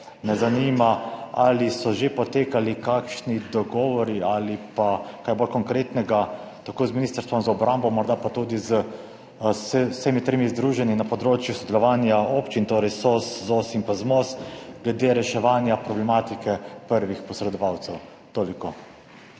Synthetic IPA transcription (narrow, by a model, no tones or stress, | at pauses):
nɛzanimaalisɔʒepɔt̪eːkalikakʃnid̪ɔɡɔːʋɔɾialipakajbolkɔŋkɾet̪nɛɡa | t̪akoːzminiːst̪əɾst̪ʋɔmzaɔbɾambɔmɔɾd̪apat̪ud̪izə | ssemit̪ɾemizd̪ɾuːʒɛninapɔd̪ɾoːt͡ʃjusɔd̪ɛlɔʋaːnjaoːpt͡ʃint̪oːɾɛjsosːosinpazmosɡlɛd̪eɾɛʃɛʋaːnjapɾɔblɛmat̪ikɛpəɾʋixpɔsɾɛd̪ɔʋaːwt̪sɛw | t̪oːliko